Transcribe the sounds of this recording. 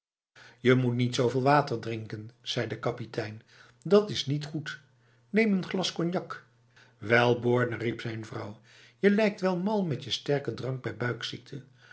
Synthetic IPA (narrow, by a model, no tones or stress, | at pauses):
jəmutnitsowvɪːlˠʋaːtəɹdrɪŋkənz̥ɛjdəkɑpitʰɛjn | dɑtɪsnitχut | nejmənχlɑskɔnjɑk | ʋɛlˠbɔːɹnəripsɛjnvrɑw | jəlɛjk̚tʋɛlˠmɑlˠmɛtjəstɛɹkədrɑŋɡ̚bɛjbœɥksik̚tʰə